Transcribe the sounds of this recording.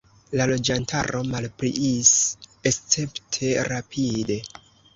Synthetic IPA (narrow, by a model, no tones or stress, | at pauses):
lalo̞d͡ʒantʰa̰ɾo̞malpɾḭisest͡se̞ptʰe̞ɾapʰide̞